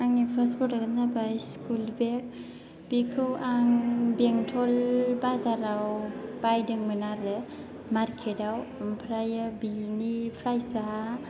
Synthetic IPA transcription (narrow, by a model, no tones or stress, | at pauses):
aŋnipʰaspɔtaɡɯnabajskulbek̚ | b̥ikʰɯwʔaŋbeŋtʰɔlbazaɾawb̥ajdɯŋmɯnaɾɯ | maɾkʰedawmpʰɾajɯbinipʰɾajsa